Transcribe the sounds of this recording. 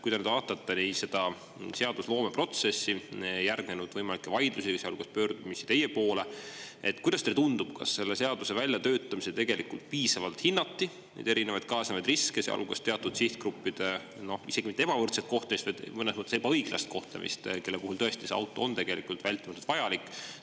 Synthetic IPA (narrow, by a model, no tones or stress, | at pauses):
kujd̪ɑnyːd̪ɑt̪ːɑt̪ːɑnise̞d̪̥ɑ | se̞ɑd̪̥uslo̞ːme̞pro̞t̪se̞sːiejærɡnenud̪̥vɤjmɑlʲikːˑevɑjd̪̥lusisjɑ̰lɡ̥ust̪pøːrd̪̥umisi̥t̪e̞jepo̞ːleet̪ːˑkujd̪̥ɑst̪et̪und̪ub̥kɑ̰sːe̞lːe̞se̞ɑd̪use̞vælʲjɑt̪øːt̪ˑːɑmiset̪e̞ɡ̥e̞likult̪̚piːsɑvɑlt̪hinːɑt̪ːi | nḛd̪eɾinevɑjd̪̥̚kɑːsɑmɑjd̪riskesḛɑ̰lu̥est̪e̞ɑt̪ːud̪̥siht̪̚kɾupːid̪̥e | no̞hise̞ɡ̥imit̪ːee̞bɑvɤrt̪set̪̚ko̞ht̪lemist̪vɑjd̪mɤnesmət̪ˑːseb̥ɑɤjɡ̥lɑ̰st̪̚ko̞ht̪lḛmʔḭst̪ke̞lːepuhult̪ɤ̞est̪iseɑ̰wt̪ːˑo̞̰ont̪e̞ɡ̥e̞likult̪vælʲt̪ːˑimɑt̪ud̪vɑjɑlikːˑ